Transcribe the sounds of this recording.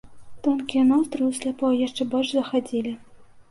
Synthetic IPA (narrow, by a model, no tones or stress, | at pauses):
t̪ɔnkʲijɛnɔst̪ɾɨwsʲlʲapɔjaʂt͡ʂɛbɔlʲʂzɐxad͡zʲilʲi